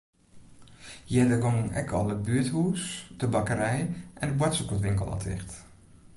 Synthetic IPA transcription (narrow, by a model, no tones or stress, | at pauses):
jɛdəɡɔŋənɛ̰kʰɔlˠəbyəthuːsdəbakəɾɛjʔɛndəbwɛtsukəl̩ˠtʋɪŋkəlˠɔ̰tʰɪ̰xt